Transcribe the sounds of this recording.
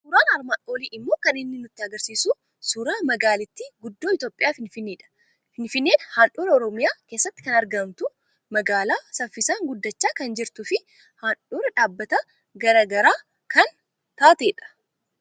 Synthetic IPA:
suːɾaːnɐɾmaːᶑo̞ːliːʔɪmːo̞ːkɐnɪnːɪnʊt̪ːɪɐɡɐɾsiːsu | suːɾaːmɐɡaːlɪt̪ːiɡʊd̪ːoːɪt̪o̞ːpʼːɪjaːfɪnfɪnːeːᶑɐ̥ | fɪnfɪnːe̞ːnhaːnʔuːɾɛɔɾɔmɪjaːke̞ːsːɐt̪ːɪ̥kɐnɐɾɡɐmt̪ʊ | mɐɡaːlaːsɐfːɪsaːŋɡʊd̪ːɐt͡ʃːaːkɐnd͡ʒɪɾt̪ʊfɪ | haːnᶑuːɾɐᶑaːbːɐt̪ɐ | ɡɐɾaːɡɐɾaː | kʰɐn | t̪aːt̪e̞ːᶑɐ̥

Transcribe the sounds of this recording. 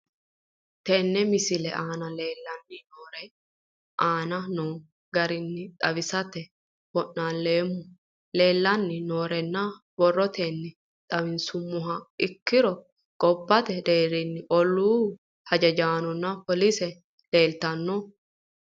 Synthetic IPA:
t̪ɛnːɛmɪsɪlɛʔaːnɐle̞ːlːɐnːɪnoːɾɛ | ʔaːnɐnoː | ɡɐɾɪnːɪt̪ʼɐβɪsɐt̪ɛ | b̥ɔʔːaːnleːmːʊ | le̞ːlːɐnːɪno̞ːɾɛnːɐ | bɔrːɔt̪enːɪ | t̪ʼɐβɪnsʊmːʊɦɐɪkːɪɾɔ | ɡʼɔbːɐt̪ɛd̪e̞ːɾɪnːɪʔɔlːuː | hɐd͡ʒɐd͡ʒaːnɔnːɐpɔlisɛ | le̞ːlt̪ɐnːɔ

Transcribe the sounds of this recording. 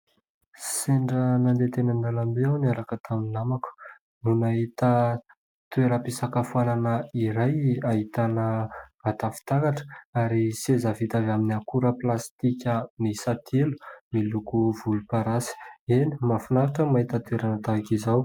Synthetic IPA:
seɳɖ͡ʐənand̪et̪enand̪alambeawniaɾakət̪ʰaminamaku̥ | nunaɦit̪ə | t̪ueɾəpisakafualanəiɾajaɦit̪anəat̪afi̥t̪akaʈ͡ʂə̥aɾisezavit̪avaminiakuɾəplast̪ikʲəmisat̪ʰelu̥milukuvulupaɾasi̥enimafinaɾaʈ͡ʂəmaɦit̪ət̪ueɾanət̪aakizaw

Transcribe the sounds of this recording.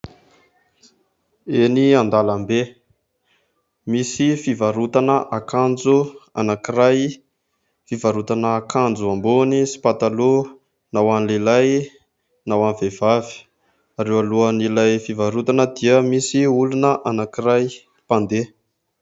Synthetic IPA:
eniand̪alambe | misifivaɾut̪anəʔakand͡zua̰nakiɾaj | fivaɾut̪anəːkand͡zuambonisi̥pat̪alu | nawanlelaj | nawanivev̥avi̥ | aɾewaluənilajfivaɾut̪anəd̪iəmisiulunəʔanakiɾaj | pand̪e

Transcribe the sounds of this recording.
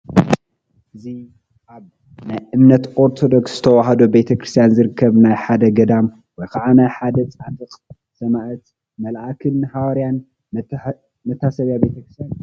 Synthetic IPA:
ʔɨzi | ʔaβ | najʔɨmnɐt̪ʔo̞ɾt̪ʰo̞d̪oksz̥ɨt̪ʰɐwaɦɐd̪obe̞t̪ʰɐkɾɨst̪ʰjanzɨɾɨkʰːɐβnajħad̪ɐɡɐd̪am | wɔjkʰaʕanajħad̪ɐt͡sʼat̪ʼɨqʼ | sɐmaʔɨt̪ | mɐlʔakʰɨnhawɐɾjan | mɐt̪ʰːasɐβjabe̞t̪ʰɐkɾɨst̪ʰjan

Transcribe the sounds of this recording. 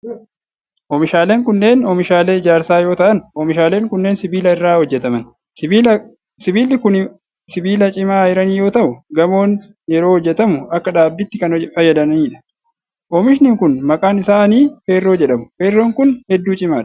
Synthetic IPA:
ʔɔːmɪʃaːleːŋkʊnːe̞ːnɔːmɪʃaːle̞ːɪd͡ʒaːɾsaːjo̞ːt̪ɐʔɐnɔːmɪʃaːle̞ːŋkʊnːe̞ːnsɪbiːlɐɪrːaːhɔd͡ʒːɛt̪ɐmɐn | siː | sɪbiːlːɪkʊn | sɪbiːlɐt͡ʃʼɪmaːɪɾɐniːjo̞ːt̪ɐʔʊɡɐmo̞ːn | jɛɾo̞ːhɔd͡ʒːɛt̪ɐmʊɐkːɐᶑaːbːɪt̪ːɪkɐnfɐjːɐd̪ɐnniːᶑɐ̥ | ʔɔmɪʃnɪŋkʊnmɐkʼaːnɪsaːniːfeːrːo̞ːd͡ʒɛᶑɐmʊfeːrːoːŋkʊnhɛd̪ːuːt͡ʃʼɪmaːᶑ̥

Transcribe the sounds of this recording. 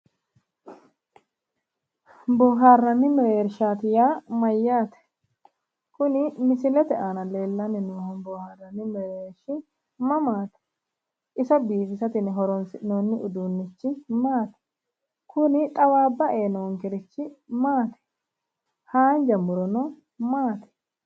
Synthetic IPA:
bɔːɦaːrːɐnːɪmɛɾeːɾʃaːt̪ɪjaːmɐjːaːt̪ɛ̥ | kʊnɪmɪsɪlɛt̪ɛʔaːnɐle̞ːlːɐnːɪnoːhɔnboːhaːrːɐnːɪmɛɾeːɾʃɪ | mɐmaːt̪ɛ̥ | ʔɪsɐbiːbɪsɐt̪ɪnːɦɔɾɔnsɪnoːnːɪʔʊd̪uːnːɪt͡ʃːɪmaːt̪ɛ̥ | kʊnɪt̪ʼɐwaːbːɐʔeːnɔŋkɪɾɪt͡ʃːɪmaːt̪ɛ̥ | haːnd͡ʒɐmʊɾɔnɔ | maːt̪ɛ̥

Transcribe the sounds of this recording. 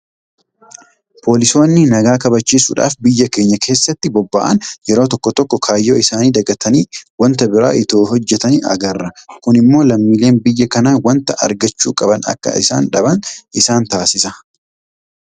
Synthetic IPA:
pʰo̞ːlɪso̞ːnːɪnɐɡaːkɐbɐt͡ʃːiːsṵːᶑa̰ːfbɪjːɐkeːɲːɐkʰe̞ːsːɐt̪ːɪbɔbːa̰ːʔɐ̰njɛɾoːt̪ɔkːɔt̪ɔkːɔkʰaːjːoːɪsaːniːd̪ɐɡɐt̪ʰɐniːwɐnt̪ɐbɪɾa̰ːʔɪt̪oːɦɔd͡ʒːɛt̪ɐniɐ̰ɡɐrːɐkʊnɪmːo̞ːlɐmːiːle̞ːnbɪjːɐkɐnaːwɐnt̪ɐʔɐ̰ɾɡɐt͡ʃːuːkʼɐbɐnɐ̰kːɐ̰ɪ̰sa̰ːnᶑɐbɐnʔɪsaːnt̪aːsɪsɐ

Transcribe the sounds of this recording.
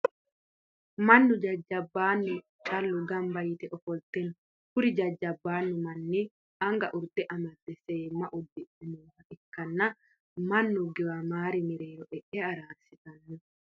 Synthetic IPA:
mɐnːʊd͡ʒɐd͡ʒːɐbːaːnːʊ | t͡ʃʼɐlːʊɡɐmbɐjit̪ɛʔɔfɔlt̪ɛn | kʊɾid͡ʒɐd͡ʒːɐbːaːnːʊmɐnːi | ʔɐŋɡɐʔʊɾt̪ɛʔɐmɐt̪ːɛseːmːɐʔɔd̪ːɛʔɛnuːhɐʔɛkːɐnːɐ | mɐnːuɡɛwɐmaːɾimiɾeːɾɔʔɛʔɛaɾaːsɪt̪ɐnːu

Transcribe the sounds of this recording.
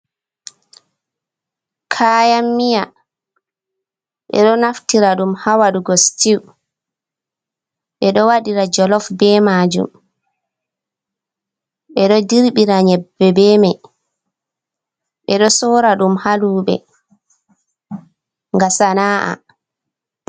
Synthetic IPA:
kʰaːjamːija | ʔɛ̰ɗɔnaftiɾaɗumhawaɗuɡɔstiw | ʔɛɗɔwaɗiɾad͡ʒɔlɔfbɛmaːd͡ʒṵm | ʔɛɗɔdiɾɓiɾaɲɛbːɛbɛmaj | ʔɛɗɔsɔɾaɗumhaluːɓɛ̰ | ŋɡasanaːʔa̰

